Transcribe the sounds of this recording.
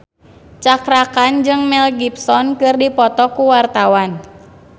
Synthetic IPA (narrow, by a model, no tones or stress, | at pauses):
t͡ʃakɾakand͡ʒɨŋmɛlɡipsɔnkɨrdipɔt̪ɔkuwart̪awan